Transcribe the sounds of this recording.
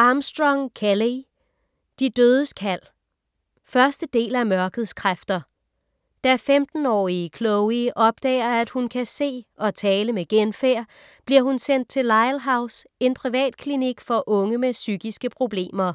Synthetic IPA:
ʔɑ̈msd̥ʁɒŋkʰeli | d̥id̥øːð̞ˠəskʰæl̰ | fɶɐsd̥əd̥e̝̰ːlæmɶɐɡ̥əð̩ˠskʰʁafd̥ɐ | d̥æfemd̥n̩ɒ̰ːikʰlɔʊiʔɒ̽b̥̚d̥ɛ̰ːɐæd̥hunkʰæse̝̰ːɒ̽t͡sʰɛːləmeɡ̥enfeɐ̰ | b̥liɐhunsen̰d̥̚t͡sʰe̝lːɑ̈ɪlɦɑ̈ʊse̝npʰʁiʋɛ̰ːd̥̚kʰliniɡ̥fɒ̽ʔɔ̽ŋəmesyɡ̥isɡ̥əpʰʁo̝b̥le̝̰ːmɐ

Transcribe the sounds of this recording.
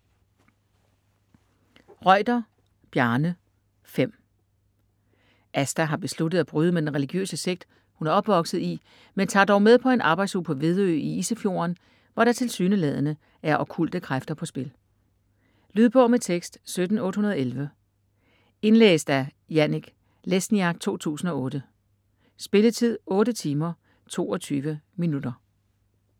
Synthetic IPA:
ʁɒ̽ɪ̰d̥ɐ | b̥jæɐnə | fem̰ | ʔæsd̥æɦɑ̈b̥e̝slud̥əð̩ˠæb̥ʁyːð̞ˠəmed̥enʁɛliɡ̥jø̰ːsəse̝ɡ̥̚d̥ | hunæɐɒ̽b̥ʋɒ̽ɡ̥sð̩ˠi | ment͡sʰɑ̰̈ːd̥ɒʊmeð̞ˠpʰɒ̽e̝nʔɑ̈ːb̥ɑ̈ɪd̥shupʰɒ̽ʋe̝ð̞ˠø̰ːiisəfjo̝̰ɐn | ʋɒɾ̥ɑ̈t͡sʰe̝lsyːnəlɛð̞̰ˠənə | æɐʔɒ̽b̥̚kʰul̰d̥əkʰʁafd̥ɐpʰɒ̽sb̥e̝l | lyːðˠb̥ɔʊmet͡sʰeɡ̥sd̥sød̥n̩ɔ̽ːd̥hunɐð̞ˠelʋə | e̝nlḛːsd̥æ | jæniɡ̥ | lesniɑ̈ɡ̥̚t͡sʰo̝̰ːt͡sʰṵːsn̩ɒ̽ɔ̽ːɾ̥ə | sb̥e̝lət͡sʰið̞̰ˠɔ̽ːɾət͡sʰiːmɐ | t͡sʰo̝̰ːɒ̽t͡sʰyːʋəminud̥ɐ

